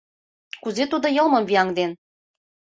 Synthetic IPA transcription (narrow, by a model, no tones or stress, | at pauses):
kuzet̪ud̪ŏjɤ̆lˠmɤ̆mviɑŋd̪en